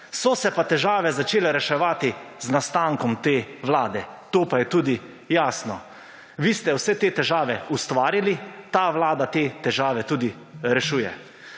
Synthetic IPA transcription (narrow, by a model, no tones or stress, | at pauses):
sɔsɛpat̪ɛʒaːʋɛzat͡ʃeːlɛɾɛʃɛʋaːt̪iznast̪aŋkɔmt̪eːʋlaːd̪ɛt̪oːpajɛt̪uːd̪i | jaːsnɔ | ʋiːst̪ɛwsɛt̪eːt̪ɛʒaːʋɛust̪ʋaːɾilit̪aʋlaːd̪at̪eːt̪ɛʒaːʋɛt̪uːd̪i | ɾɛʃuːjɛ̰